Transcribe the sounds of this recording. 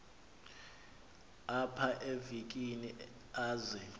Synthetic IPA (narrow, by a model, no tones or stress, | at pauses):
apʰaʔevik̬ʼini | aːzɛ